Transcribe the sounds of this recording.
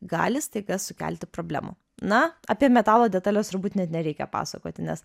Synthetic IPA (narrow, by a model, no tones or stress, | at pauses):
ɡɑ̰ːlʲɪst̪ɐɪɡɐsʊkʲæ̰ːlʲt̪ʲɪpɾoːbʲlʲæ̰ːmṵ | nɐɑ̰ːpʲiɛmʲɛt̪ɑːlˠoːdʲɛt̪ɑːlʲoːst̪ʊɾbuːt̪nʲɛt̪nʲɛɾʲɛɪkʲɛ̰pɑ̰ːsɐko̰ːt̪ʲɪnʲɛs